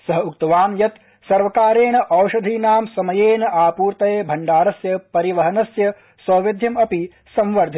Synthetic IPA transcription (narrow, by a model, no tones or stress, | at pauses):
sɐɦɐuk̚t̪ɐʋaːmjɐt̪ | sɐɾʋɐkaːɾeːnɐʔɐwʃɐd̪ʱiːnaːmsɐmɐjeːnɐʔaːpuːɾt̪ɐjeːbʱɐɳɖaːɾɐsjɐpɐɾiʋɐɦɐnɐsjɐ | sɐːʋed̪ʱjɐmɐpi | sɐmʋɐɾd̪ʱi